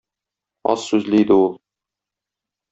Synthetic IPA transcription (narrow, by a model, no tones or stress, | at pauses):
ɒ̰ssʉzlɘjd̪ɘulˠ